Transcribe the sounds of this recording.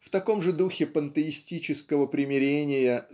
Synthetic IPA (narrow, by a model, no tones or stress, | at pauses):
ft̪ɐko̞mʐɨd̪uxʲɪpənt̪əɪsʲtʲit͡ɕɪskəvəpɾʲɪmʲɪɾʲenʲɪjə